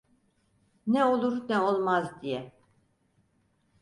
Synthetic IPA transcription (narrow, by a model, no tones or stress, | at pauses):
nɛo̞lˠuɾnɛolˠmazd̪ijɛ